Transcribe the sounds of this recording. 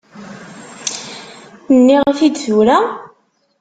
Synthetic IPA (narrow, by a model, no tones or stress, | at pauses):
nːiʁəfid̪θuɾa